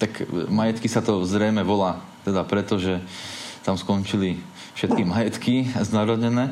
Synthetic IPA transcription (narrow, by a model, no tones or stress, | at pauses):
t̪akmajɛt̪kisat̪ɔzɾɛjmɛʋɔlaː | t̪ɛd̪apɾɛt̪ɔʒɛt̪amskɔnt͡ʃili | fʃɛt̪̚kimajɛt̪kiznaɾɔɲɛnɛː